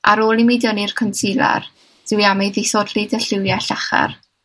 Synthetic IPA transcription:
ʔa̰ɾoːlˠimidjɔnirkʰɔntʰilˠa̰r | d̥ɪwiamɛjðɪsɔdlidəɬɪwjaɬaχa̰r

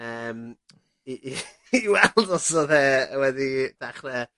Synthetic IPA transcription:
əːm | iʔː | wɛlˠdɔsoðɛəwɛdid̥aχnɛ

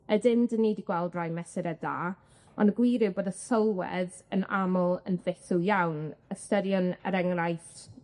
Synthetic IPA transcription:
ədɪndənːiːdiɡ̥wɛlˠdrajmɛsɪɾɛdaː | ɔnəɡwiɾɨboːdəsɔlˠwɛ̰ð | ənamɔlˠənvɪθʊjawnəstədjɔnə̰ɾɛŋrajθ

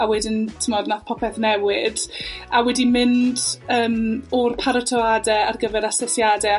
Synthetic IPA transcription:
awɛdɪntʰɪmɔdnapʰɔpʰɛθnɛwɪdawɛdimɪndəːmɔrpʰaɾɔtʰɔadɛarɡəvɛɾasɛsjadɛ

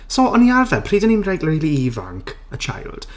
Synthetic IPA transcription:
sɔʔɔniarvɛpʰriːdənimrejɡləjlˠiiva̰ŋkʰ | ət͡ʃʰa̰jlˠd̥

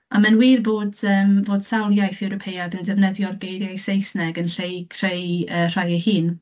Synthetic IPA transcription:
amanwiːrboːdəːmvoːd̥sawlˠjajθɛwɾɔpʰejaðəndɛvnɛðjɔrɡejɾjajsejsnɛɡənɬejkʰrejər̥ajihiːn

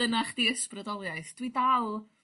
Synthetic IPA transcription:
ənaχd̥iːəsprədɔlˠjajθd̥widalˠ

